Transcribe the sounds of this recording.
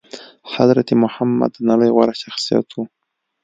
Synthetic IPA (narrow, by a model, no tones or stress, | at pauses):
sad̪ɾat̪imʊhamːa̰d̪naləjɣwaɾaʃaxsija̰t̪wu